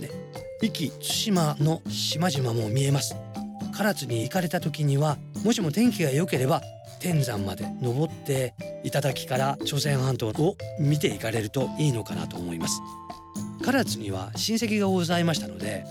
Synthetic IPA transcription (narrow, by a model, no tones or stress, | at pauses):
ne | ikʲit͡ɕɨ̥ɕimano̞ɕimaʑimamo̞mʲie̞masɨ̥kaɾat͡sɨɲ̟iːkaɾe̞t̪at̪o̞kʲiɲ̟iβa | mo̞ɕimo̞t̪ẽ̞ŋkʲiɡaejo̞ke̞ɾe̞ba | t̪ẽ̞nd͡zãmːad̪e̞no̞bo̞t̪ːe̞it̪ad̪akʲi̥kaɾat͡ɕo̞sẽ̞ɰ̃hãnt̪o̞ːomʲit̪̬e̞ikaɾe̞ɾɯ̟t̪o̞iːno̞kana̰t̪o̞ːmo̞imasɨ̥ | kaɾat͡sɨɲ̟iβ̞a̰ɕĩɰ̃se̞k̬ʲiɡaozaimaɕi̥t̪ano̞̰d̪e̞̰